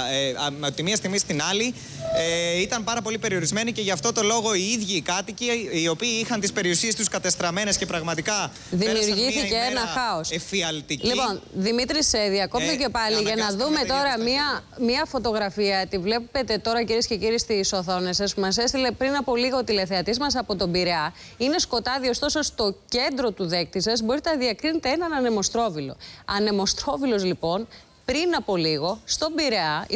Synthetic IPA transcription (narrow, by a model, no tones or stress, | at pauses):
t̪imiɐst̪iɣmist̪inɐli | eit̪ɐmpɐɾɐpo̞lipe̞ɾio̞ɾizme̞niceʝɐft̪o̞t̪o̞lo̞ɣo̞iiðʝiːkɐt̪iciːo̞piːixɐnt̪ispe̞ɾiusie̞st̪uskɐt̪est̪ɾɐme̞nesce̞pɾɐɣmɐt̪ikɐ | ðimiuɾʝiθiceenɐxɐosfiɐlt̪iclipo̞nðimit̪ɾiseðiɐko̞pt̪ice̞pɐliʝɐnɐðume̞t̪o̞ɾɐmiɐmiɐfo̞t̪o̞ɣɾɐfiɐet̪ivle̞pe̞t̪e̞t̪o̞ɾɐciɾiesce̞ciɾiest̪iso̞θo̞nesɐspumɐs̬e̞st̪ile̞pɾinɐpoliɣɐot̪ile̞θe̞ɐt̪izmɐs̬ɐpo̞t̪o̞biɾe̞ɐ | ine̞sko̞t̪ɐðiost̪o̞so̞st̪o̞ce̞nd̪ɾo̞t̪uðe̞k̚t̪isɐzbo̞ɾit̪enɐðiɐkɾinet̪e̞enɐnɐne̞mo̞st̪ɾo̞vilo̞̰ɐne̞mo̞st̪ɾo̞vilo̞zlipo̞n | pɾinɐpo̞liɣo̞st̪o̞biɾe̞ɐ